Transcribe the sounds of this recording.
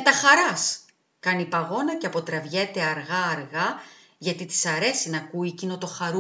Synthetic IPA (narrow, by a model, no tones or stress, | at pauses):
met̪ɐxɐɾɐs | kɐnipɐɣo̞nɐceɐpo̞t̪ɾɐvʝe̞t̪e̞ɐɾɣɐːɾɣɐ | ʝɐt̪it̪i̥sɐɾe̞sinɐkuicino̞t̪o̞xɐɾu